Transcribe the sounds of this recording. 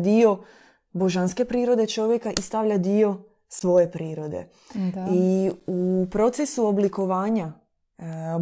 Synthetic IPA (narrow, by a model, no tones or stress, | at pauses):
d̪io̞ | bo̞ʒanske̞pɾiːɾo̞d̪e̞t͡ʃo̞ʋje̞kaʔist̪aʋʎad̪io̞ | sʋo̞je̞pɾiːɾo̞d̪ḛ | iupɾo̞t̪sesuo̞bliko̞ʋaːɲa